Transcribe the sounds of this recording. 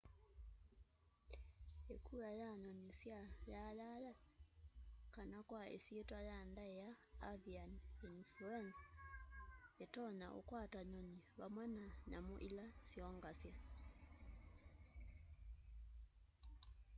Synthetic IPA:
ekʰuajaɲɔnisjajalala | kanakwaḛsietwajandaejaː | vianinfluɛnsa | etɔɲaʔo̰kwataɲɔniβamwɛnanamoʔilasjɔŋɡasja

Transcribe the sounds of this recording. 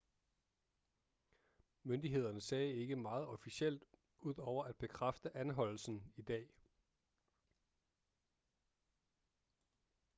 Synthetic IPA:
mønd̥iɦe̝ð̞̰ˠɐnəsɛːe̝ɡ̥əmɑ̈ːð̞̩ˠɒ̽fiɕel̰d̥ | uð̞̰ˠɒʊ̰ɐʔæd̥̚b̥e̝kʰʁafd̥əʔænɦɒ̽l̰l̩sn̩id̥ɛ̰ː

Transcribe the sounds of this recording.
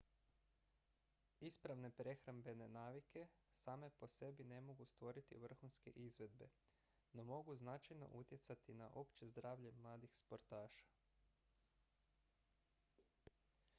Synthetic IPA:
ispɾaʋne̞pɾe̞xɾambe̞ne̞naːʋike̞ | saːme̞po̞se̞bine̞mo̞ɡust̪ʋo̞ɾit̪ḭʋr̩xunske̞̰ʔizʋe̞d̪be | no̞mo̞ɡuznat͡ʃajno̞̰ʔut̪je̞t̪sat̪ina̰ʔo̞pt͡ʃe̞zd̪ɾaːʋʎe̞mlˠaːd̪ixspo̞ɾt̪aːʃḁ

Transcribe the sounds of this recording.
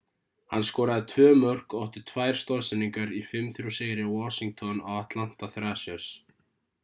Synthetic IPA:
hanːskɔːɾaðɪt̪ʰvœːmœr̥kɔwht̪ʏɾ̥t̪ʰvaːjɾ̥st̪ɔɾsɛnːiŋkaɾifɪmθɾuseːjɾɪwɔsiŋk̚t̪ʰɔna̰waht̪lan̥t̪aθɾaːsjœɾs

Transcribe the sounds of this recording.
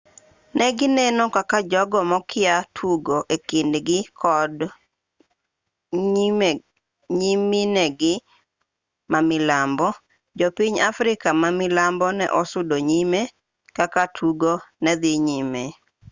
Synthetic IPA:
nʔɛɡɪnɛnɔkakad͡ʒɔɡɔmɔkʰɪatʰuɡoʔekɪndɡɪkʰɔd | ɲiminɛɡɪ | mamɪlambɔ | d͡ʒopiɲafɾɪkamamɪlambɔnɛ̰ʔɔsʊdoɲime | kakatʰuɡonɛd̪ɪɲime

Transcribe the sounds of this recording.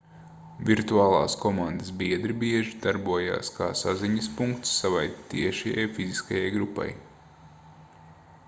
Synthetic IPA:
vʲiɾt̪uaːlˠɑ̰ːskɔmãnd̪ɐsbiɛd̪ɾibiɛʒid̪aɾbuɔja̰ːskʰaːsa̰ziɲɐspuŋkt̪sːavajt̪iɛʃɛja̰jfiziskajajɡɾupa̰j

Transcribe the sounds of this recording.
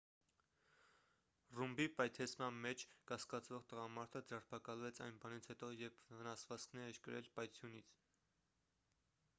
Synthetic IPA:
rumbipɑjt̪ʰɛt͡sʰmɑnmɛt͡ʃʰkɑskɑt͡svɔʁt̪əʁɑmɑɾt̪ʰəd͡zɛrpʰɑkɑlvɛt͡sʰɑ̰jnbɑnit͡sʰhɛt̪ɔjɛpʰvənɑsvɑt͡skʰnɛɾɛɾkəɾɛ̰lpɑjt͡sʰjunit͡sʰ

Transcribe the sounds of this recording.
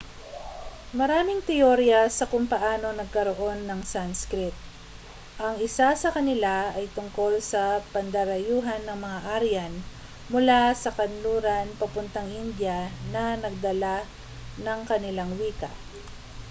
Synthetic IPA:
mɐɾaːmɪŋt̪ɪoɾjɐsɐkʊŋpɐʔaːno̞nɐɡ̚kɐɾo̞ʔo̞nːɐŋsanskɾɪt̪̚ | ʔɐŋɪsasɐkɐnɪlaɐjt̪ʊŋko̞lsɐpɐnd̪ɐɾɐjuːɦɐnːɐŋmɐŋaʔaɾjan | mʊlasɐkɐnluːɾɐnpɐpʊnt̪ɐŋʔɪnd̪jɐnɐnɐɡ̚d̪ɐla | nɐŋkɐnɪlaŋwiːkɐ̰

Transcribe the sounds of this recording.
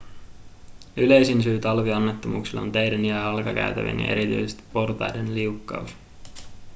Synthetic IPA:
yle̞jsinsyːt̪ɑlʋiɑnːet̪ːo̞mṵːksilːo̰nt̪ejdænjæɑlkɑkæ̰yt̪æ̰ʋḭnjɑ̰ʔe̞̰ɾit̪y̰jsest̪i̥pːo̞rt̪ɑ̰jdenliukːɑ̰us

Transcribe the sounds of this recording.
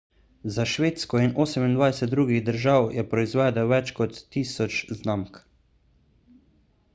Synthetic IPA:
zaʃʋeːt̪skɔinoːsɛmind̪ʋajsɛt̪̚d̪ɾuːɡiɣd̪əɾʒaːwjɛpɾɔizʋɛːd̪ɛʋɛt͡ʃkɔt̪ːiːsɔt͡ʃznamk

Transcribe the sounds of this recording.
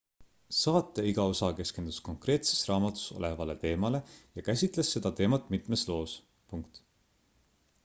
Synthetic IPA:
sɑːt̪ːˑe̞iɡ̥ɑo̞sɑke̞ske̞nd̪̥u̥sko̞ŋkre̞ːt̪se̥srɑːmɑt̪ːˑu̥so̞̰le̞vɑle̞t̪e̞ːmɑle̞jɑkæsʲit̪ˑle̞sːe̞d̪̥ɑt̪e̞ːmɑt̪ːˑmit̪meslo̞ːs | puŋkt̪

